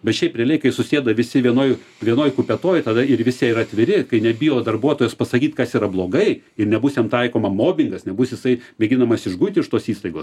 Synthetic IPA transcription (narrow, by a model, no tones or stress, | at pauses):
bʲɛt̪ʃʲɛɪpʲrʲiɛlʲɛɪkɐɪsʊsʲeːd̪ɐʋʲɪsʲɪʋʲiɛnoːj | ʋʲiɛnoːjkʊpʲɛt̪oːjt̪ɐd̪ɐɪɾʋʲɪsʲɛɪɾɐt̪ʲʋʲɪɾʲɪkɐɪnʲɛbʲɪjoːd̪ɐrbuɔt̪oːjɛspɐsɐkʲiːt̪kɐsiːɾɐblˠoːɡɐɪ | ɪrnʲɛbusʲɛmt̪ɐɪkoːmɐmoːbʲɪŋɡɐsnʲɛbʊsʲjɪsɐɪmʲɛɡʲɪnɐmɐsɪʒɡujʲt̪ʲɪʃt̪oːsiːst̪ɐɪɡoːs